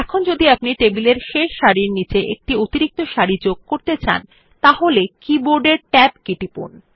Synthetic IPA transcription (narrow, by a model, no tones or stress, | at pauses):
ɛkʰond͡ʑod̪iapniʈebileɾʃeʃːaɾiɾnit͡ɕeʔḛk̚ʈiot̪iɾik̚t̪oʃaɾid͡ʑoɡ̚koɾt̪et͡ɕa̰n | t̪aɦolekiboɾɖeɾʈɛb̚kiʈipṵn